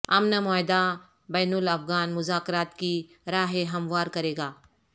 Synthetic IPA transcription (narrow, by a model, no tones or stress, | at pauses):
ɐ̰mnɐmɔːjd̪a | bɛːnʊlɐfɣaːnmʊzaːkɾaːt̪ki | ɾaːɦeɦɐmʋaːɾkɐɾeːɡaː